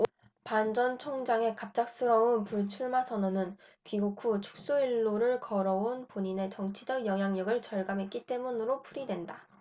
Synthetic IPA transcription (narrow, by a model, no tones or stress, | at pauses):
pand͡ʑʌnt͡ɕʰoŋd͡ʑaŋe̞kap̚t͡ɕ͈ak̚s͈ɯɾʌunpuɭt͡ɕʰuɭmasʰʌnʌnɯnkiɡukʰut͡ɕʰu̥k̚s͈oiɭːoɾɯɭkʌɾʌonpoɲine̞t͡ɕʌŋt͡ɕʰid͡ʑʌɡjʌŋɦjaŋɲʌɡɯɭt͡ɕʌɭɡamɦe̞t̚k͈it͈e̞munɯɾopʰuɾidwe̞nda